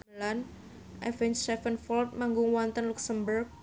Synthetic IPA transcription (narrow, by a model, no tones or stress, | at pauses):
lan | ʔɛ̰fɛnsɛfənfɔlt̪̚maŋɡʊŋwɔnt̪ənluksəmbərk̚